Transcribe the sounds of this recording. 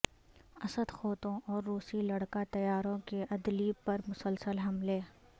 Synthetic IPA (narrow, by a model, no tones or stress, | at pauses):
ɐsəd̪xoːt̪õʔɔːɾːuːsilɐɽkat̪ɐjaːɾõkeʔɐd̪lipɐɾmʊsəlsəlɦɐmleː